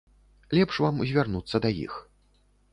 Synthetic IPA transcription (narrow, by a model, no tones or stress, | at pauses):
lʲɛpʂvamzʲvʲarnut̪sːɐd̪ajḭx